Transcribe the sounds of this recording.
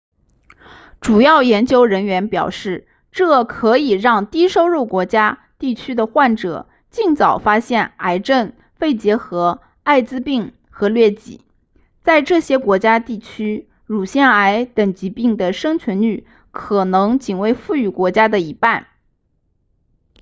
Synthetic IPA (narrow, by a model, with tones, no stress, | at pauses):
ʈ͡ʂu˨˩jɑ˥˩ʊjɛ˧˥nt͡ɕjo˥ʊɻə˧˥nɥɛ˧˥npjɑ˨˩ʊʂɻ̩˥˩ | ʈ͡ʂɤ˥˩kʰɤ˧˥i˨˩ɻɑ˥˧ŋt̪i˥ʂo˥ʊɻu˥˩ʊkwɔ˧˥t͡ɕja˥ | t̪i˥˩t͡ɕʰy˥d̪ə˨xwa˥˩nʈ͡ʂɤ̰˨˩˦ | t͡ɕi˥˩ŋt͡sɑ˨˩ʊfa˥ɕjɛ˥˩na˧˥ɪʈ͡ʂə˥˩n | fe˥˩ɪt͡ɕjɛ˧˥xɤ˧˥ | a˥˧ɪt͡sɹ̩˥pi˥˩ŋ | xɤ˧˥lɥɛ˥˩t͡ɕḭ˨˩˦ | t͡sa˥˧ɪʈ͡ʂɤ˥˩ɕjɛ˥kwɔ˧˥t͡ɕja˥t̪i˥˩t͡ɕʰy˥ | ɻu˨˩ɕjɛ˥˩na˧˥ɪt̪ə˨˩ŋt͡ɕi˧˥pi˥˩ŋd̪ə˩ʂɤ˥ŋt͡ɕʰɥɛ˧˥ny˥˩ | kʰɤ˨˩nɤ˧˥ŋt͡ɕi˨˩ŋwe˧˥ɪfu˥˩y˨˥˩kwɔ˧˥t͡ɕja˥d̪ə˨i˧˥pa˥˩n